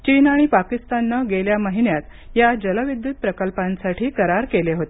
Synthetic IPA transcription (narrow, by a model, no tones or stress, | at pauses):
t͡ɕiːnaɽ̃ipakist̪anːəɡeljaməɦiɳjat̪jad͡ʑələʋid̪jut̪̚pɾəkəlpãnsaʈʰiːkəɾaɾkeleɦot̪e